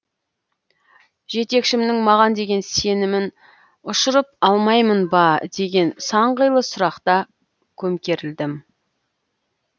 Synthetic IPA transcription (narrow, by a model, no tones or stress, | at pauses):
ʒe̞t̪e̞kʃɪmnɪŋmɑʁɑnd̪e̞ɡʲe̞nse̞nɪmɪn | ʊʃəɾəp̚ɑlˠmɑjmənbɑd̪e̞ɡʲe̞nsɑɴʁəjlˠəsʊɾɑqt̪ɑ | kʲʰɵmkʲe̞ɾɪld̪ɪm